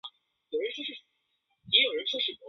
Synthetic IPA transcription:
jo˨˩ʊɻə˧˥nʈ͡ʂʰu˥ʂɻ̩˥˩ | ni˧˥jo˨˩ɻə˧˥ʈ͡ʂʰu˥˧ʂɻ̩˥˩ɔ˧˥

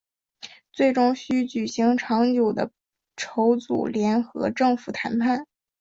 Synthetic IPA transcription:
t͡swe˥˩ɪʈ͡ʂʊ˥ŋɕy˥t͡ɕy˨˩ɕi˧˥ŋʈ͡ʂʰɑ˧˥ŋt͡ɕjo˨˩ʊd̪ə̰˦ | ʈ͡ʂʰo˧˥ʊt͡sṵ˨˩ljɛ˧˥nxɤ̰˧˥ʈ͡ʂɤ˥˩ŋfu˨˩t̪ʰa˧˥npʰa˥˩n

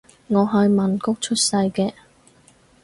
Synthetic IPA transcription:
ŋɔː˨˧ɦɐ˨jmɐ˨˩nkʊ˥k̚t͡ʃʰɵ˥t̚sɐ˧jkɛː˧

